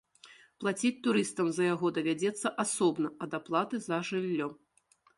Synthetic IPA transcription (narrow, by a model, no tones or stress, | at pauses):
plˠat͡sʲit͡sʲt̪uɾɨst̪ɐmzɐjaɣɔd̪ɐvʲad͡zʲɛt̪sːɐʔasɔbnɐɐd̪aplˠat̪ɨzɐʐɨlʲːɔ